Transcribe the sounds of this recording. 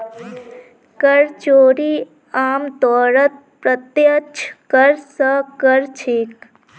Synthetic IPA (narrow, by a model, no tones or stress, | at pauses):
kəɾt͡ʃoːɾi | aːmt̪ɔːɾət̪̚ | pɾət̪jət͡ʃʰkəɾsəkəɾt͡ʃʰik